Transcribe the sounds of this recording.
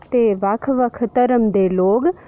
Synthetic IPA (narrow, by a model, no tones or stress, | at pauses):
t̪eːʋɐkʰʋəkʰt̪əɾəmd̪eːloːɡ